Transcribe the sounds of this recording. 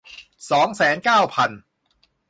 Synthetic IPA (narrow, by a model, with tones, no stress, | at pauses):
sɔː˩˦ŋsɛː˩˦nkaː˥˩wpʰa˧n